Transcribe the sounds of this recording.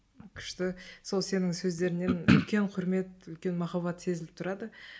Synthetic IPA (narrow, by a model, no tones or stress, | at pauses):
kʲʰʏ̥ʃt̪ɪso̞lˠse̞nɪŋsɵzd̪e̞ɾɪne̞nʏ̰lkʲe̞ɴqʰʊɾme̞t̪ʏlkʲe̞nmɑχɑbɑt̪se̞zɪlɪp̚t̪ʰʊɾɑd̪ə